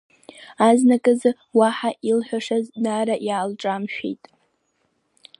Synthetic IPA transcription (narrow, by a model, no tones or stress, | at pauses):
aznakʼɨzɨ | waħaʔilħʷᶣaʂaznaɾaʔjaːlʈ͡ʂʼamʃᶣḛjtʼ